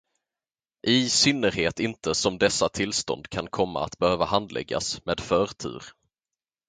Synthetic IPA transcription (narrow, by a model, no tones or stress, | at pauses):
ʔɪsʏnːəɾheːt̪ɪnt̪əsɔmd̪ɛsːat̪ʰɪlst̪ɔ̰nd̪kʰankʰɔmːa̰a̰t̪bɛhøːvahand̪lɛ̰ɡːa̰smeːd̪fœːɾt̪ʰʉ̟̰ːɾ